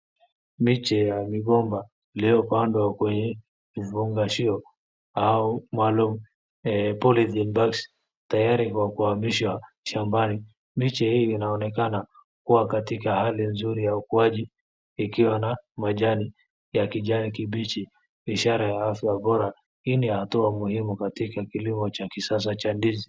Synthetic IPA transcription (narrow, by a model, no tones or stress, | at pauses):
mit͡ʃɛjamiɠɔmba | iliɔpandwakwɛɲɛ | ivuŋɡaʃiɔ | aumwalumu | ɛpɔliθɛnbaks | tajaɾikwakuhamiʃwa | ʃambani | mit͡ʃɛhiːnaɔnɛkana | kuwakatikahalinzuɾijaukuaʄiː | kiwanamaʄani | jakiʄanikiɓit͡ʃi | iʃaɾajaafjaɓɔɾa | hinihatuamuhimukatikakilimɔt͡ʃakisas̬at͡ʃandizi